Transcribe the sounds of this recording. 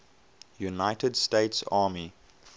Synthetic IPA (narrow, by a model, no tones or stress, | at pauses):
junaɪtədsteɪtsaːmi